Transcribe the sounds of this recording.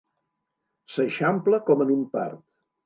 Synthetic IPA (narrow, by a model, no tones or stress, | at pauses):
səʃampləkɔmənimpa̰rt̪